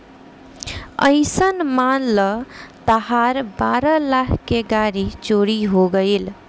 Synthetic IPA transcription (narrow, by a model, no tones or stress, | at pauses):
ə̰ɪsənmanlət̪əɦaɾbaɾəlakʰkeɡaɾit͡ʃoɾiɦoɡəɪl